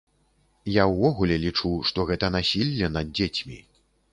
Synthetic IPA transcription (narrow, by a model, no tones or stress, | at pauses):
jawvɔɣulʲɛlʲit͡ʂuʂt̪ɔɣɛt̪ɐn̪asʲilʲːɐnɐd̪̚d͡zʲet͡sʲmʲḭ